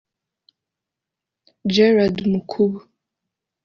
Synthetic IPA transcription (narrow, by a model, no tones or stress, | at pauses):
d͡ʒɛɾadmukʰuβu